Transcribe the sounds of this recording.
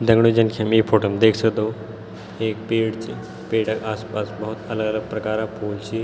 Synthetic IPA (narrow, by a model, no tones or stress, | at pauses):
d̪ə̃ŋɡɽ̃ud͡ʑənkʰjamiːfoːʈomd̪eːkʰsəkd̪o | eːk̚peːɽt͡se | peːɽəkaːspasbəɦut̪ələɡələɡ̚pɾɐkaːɾapʰuːlt͡ɕiː